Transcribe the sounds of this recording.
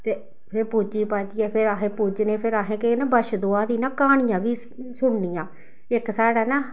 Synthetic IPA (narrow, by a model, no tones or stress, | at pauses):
t̪eː | pʰɪɾpuːd͡ʒiːpaːd͡ʒiːɛːpʰɪɾaːɦẽːpuːd͡ʒneːpʰɪɾaːɦẽːkenãːbəʃd̪oːaːd̪iːnãːkaːɳ̃ɪjãːʋiː | sʊɳniːjãː | ɪksaːɽaːnaː